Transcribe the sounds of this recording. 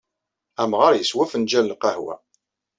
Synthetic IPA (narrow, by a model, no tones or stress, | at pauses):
æmʁəɾˤjəswæfənd͡ʒællqɑhwæ̰